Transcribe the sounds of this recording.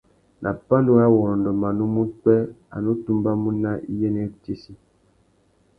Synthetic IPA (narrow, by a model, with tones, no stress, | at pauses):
nʔa˨pa˦ndo˦a˦wɔ˨ɾɔ˨ndɔ˨ma˨nu˦mu˦k͡pɛ˦a̰˨no˦tu˦mba˦mu˦na˦ʔḭ˦jɛ˦ne˦te˦si˦